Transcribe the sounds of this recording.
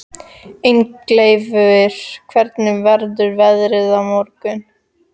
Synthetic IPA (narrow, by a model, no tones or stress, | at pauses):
ejŋklejvʏɪɾ̥kʰvɛɾt̪nɪmvɛɾðʏɾvɛðɾɪðamɔɾkʏn